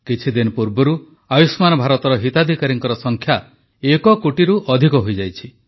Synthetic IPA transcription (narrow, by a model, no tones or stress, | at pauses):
kit͡ʃʰid̪inɔpuɾbɔɾu | ajusmanɔbʱaɾɔt̪ɔɾɔɦit̪ad̪ʱikaɾiŋkɔɾɔsɔŋkʰja | ekɔkuʈiɾuʔɔd̪ʱikɔɦojd͡ʒajt͡ʃʰi